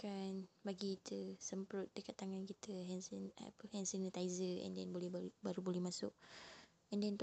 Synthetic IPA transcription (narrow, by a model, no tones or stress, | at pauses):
kanbaɡiit̪ʰəsəmpɾʊt̪̚dəkat̪ːaŋankit̪ʰəɦɛnsa̰pəhɛnsənət̪aizəɛ̰ndɛnbolɛhbbaɾubolɛhmasʊk̚ | ʔɛndɛnt̪